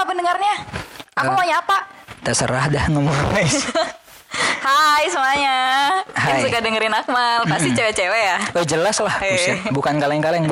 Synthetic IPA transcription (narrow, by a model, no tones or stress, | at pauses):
apəndəŋarɲaaumaɲaapadasəɾahdahŋəmaɛs | hajsəmaɲahaaŋjsukadəŋəɾɪnak̚malpast̪it͡ʃewɛt͡ʃewejawad͡ʒəlaslahusbukankalɛŋkalɛŋb